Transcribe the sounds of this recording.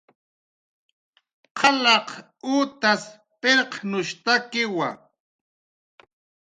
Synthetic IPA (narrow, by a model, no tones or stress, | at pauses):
qʰɑlɑq | uːt̪as | peɾqnʊʃt̪akɪwa̰